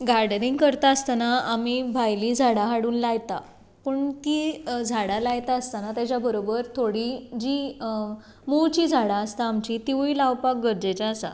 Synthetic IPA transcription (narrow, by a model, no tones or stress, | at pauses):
ɡaɾɖniŋɡkəɾt̪aəst̪anaamibʱajliːd͡zʱaɽaɦaɽuːnlaɡt̪a̰ | pəɳt̪iːd͡zʱaɽalajt̪aəst̪anat̪jat͡ɕjabəɾobəɾt̪ʰoɽid͡ʑiː | muwt͡ɕiːd͡zʱaɽaəst̪aːmt͡ɕiːt̪iʋilawpak̚ɡəɾd͡ʑet͡ɕaəsa̰